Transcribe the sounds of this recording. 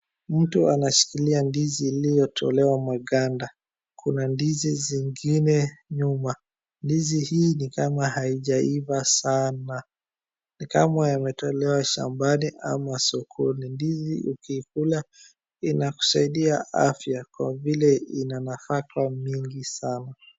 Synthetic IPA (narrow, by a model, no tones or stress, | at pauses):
m̩tuanaʃi̥kiliandiziːlijɔtʰɔ̰lɛwamwaɠanda | kʰunandiziziŋɡinɛɲuma | ndizihiːnikamahaiʄaivasana | nikamajamɛtɔlɛwaʃa̰mbaniʔa̰masukʰunindiziʔukiːkula | inaku̥saiɗiaʔa̰fjakwavilɛinanafakamiŋɡisana